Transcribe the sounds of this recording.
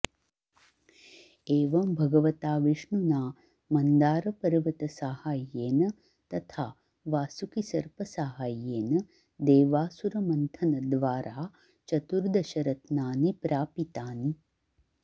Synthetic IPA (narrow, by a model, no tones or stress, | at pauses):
eːʋɐmbʱɐɡɐʋɐt̪aːʋiʂɳunaː | mɐnd̪aːɾɐpɐɾʋɐt̪ɐsaːhaːjːeːnɐ | t̪ɐt̪ʰaː | ʋaːsukisɐɾpɐsaːɦaːjeːnɐ | d̪eːʋaːsuɾɐmɐnt̪ʰɐnɐd̪ʋaːɾaː | t͡ʃɐt̪uɾd̪ɐʃɐɾɐt̪naːnipɾaːpit̪aːni